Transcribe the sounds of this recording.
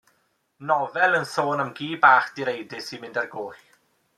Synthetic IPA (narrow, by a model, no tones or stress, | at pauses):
nɔvɛlˠənsoːnəmɡiːbaːχd̥iɾejdɪsimɪndarɡoːχ